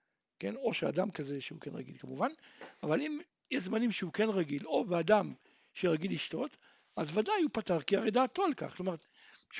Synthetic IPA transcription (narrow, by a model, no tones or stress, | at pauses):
ke̞no̞ʃea̰d̪amkazeʃeukenʁa̰ɡilkamuvanavalim | jɛʃzmanimʃeuke̞nʁaɡilo̞bead̪am | ʃeʁaɡilːiʃt̪o̞t̪ | azvad̪ajupat̪aʁkiaʁejd̪aːt̪olka̰χlomaʁet̪ | ʃ